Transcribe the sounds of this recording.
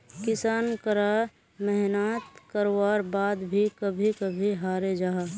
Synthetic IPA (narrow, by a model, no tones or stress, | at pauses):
kɪsaːnkəɾa | mɛɦnat̪kəɾwaːɾbaːd̪bʱikəbʱikəbʱiɦaːɾed͡ʒaːɦa